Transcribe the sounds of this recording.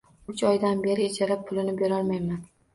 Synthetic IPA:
ʊt͡ʃɒjd̪anbe̞ɾɪet͡ʃʰaɾap̚pʰʊlɪnɪbe̞ɾɒlˠmajman

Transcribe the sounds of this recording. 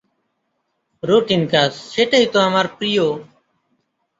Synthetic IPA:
ɾoːʈiːnkaːsːeːʈəiːt̪oːɦəmaːɾpɾiːjoː

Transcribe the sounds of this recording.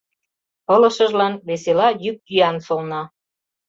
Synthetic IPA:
ɤ̆lə̆ʃə̆ʒlɑnβeselɑjyk̚ːyjɑnʃolnɑ

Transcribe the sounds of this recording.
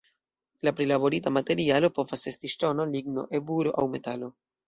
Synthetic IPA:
lapɾilabo̞ɾitamate̞ɾialo̞po̞vase̞stiʃto̞no̞liɡno̞̰ʔe̞buɾo̞ʔawme̞talo̞

